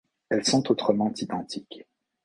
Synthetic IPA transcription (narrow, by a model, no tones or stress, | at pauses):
ɛlsɔ̃t̪ot̪χəmɑ̃t̪id̪ɑ̃t̪ik